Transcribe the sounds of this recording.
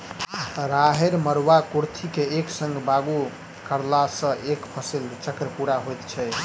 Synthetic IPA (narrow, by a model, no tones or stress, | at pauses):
ɾaɦeɾməɾwakuɾt̪ʰikeːksə̃ŋɡbaɡu | kəɾlasə̃ʔekpʰəsilt͡ʃəkɾəpuɾaɦojt̪t͡ʃʰɛ